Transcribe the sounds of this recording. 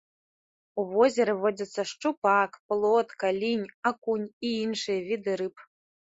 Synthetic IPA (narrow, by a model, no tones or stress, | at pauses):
uvɔzʲɛɾɨvɔd͡zʲɐt̪sːɐʂt͡ʂupakplˠɔt̪kalʲinʲakunʲiinʂɨjɐvʲid̪ɨɾɨp